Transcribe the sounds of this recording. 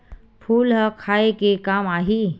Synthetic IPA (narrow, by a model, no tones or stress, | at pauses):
pʰuːlɦəkʰaekekamaɦi